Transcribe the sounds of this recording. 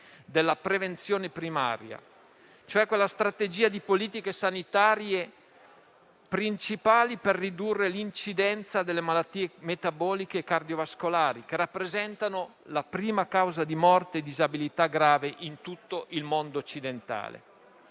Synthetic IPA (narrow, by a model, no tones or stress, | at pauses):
d̪elːapɾevent̪sjoːnepɾima̰ːɾja̰ | t͡ʃoɛkːwelːast̪ɾat̪ed͡ʒiːad̪ipoliːt̪ikesanit̪aːɾje | pɾint͡ʃipaːliperːid̪urːelint͡ʃid̪ɛnt̪sad̪elːemalat̪ːiːemet̪abɔːlikeːkard̪iovaskolaːɾik̟erːapːɾezɛnt̪anolapɾiːmakawzad̪imɔrt̪eːd̪izabilit̪aɡɾaːveʔint̪ut̪ːoʔilmond̪oːt͡ʃːid̪ent̪a̰ːlḛ